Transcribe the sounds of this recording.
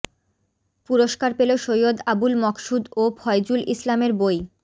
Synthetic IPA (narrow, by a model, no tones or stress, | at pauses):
puɾoʃkaɾpeloʃojod̪abulmɔkʃud̪obʰʱɔjd͡ʑulʔislameɾboj